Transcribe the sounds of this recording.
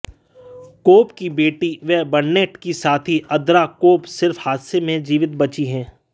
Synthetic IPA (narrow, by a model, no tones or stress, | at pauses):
koːpkibeːʈiʋɛɦbɐɳːeːʈkisaːt̪ʰiʔɐd̪ɾakoːpsɪɾfhaːd̪semẽd͡ʒiːʋɪt̪̚bɐt͡ʃiɦɛ̃ː